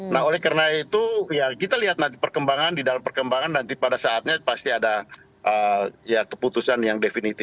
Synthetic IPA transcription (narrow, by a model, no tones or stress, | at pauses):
naɦolɛhkaɾənait̪ujakit̪aliɦat̪nant̪ipərkəmbaŋandidalampərkəmbaŋanːant̪ipadasaːt̪̚ɲapast̪iada | ʔəjakəput̪usanjaŋdefinit̪ɪf